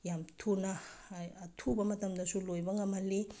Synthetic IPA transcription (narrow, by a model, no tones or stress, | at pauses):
iamit̪ʰunaat̪ʰubamat̪aminasuloevaŋamale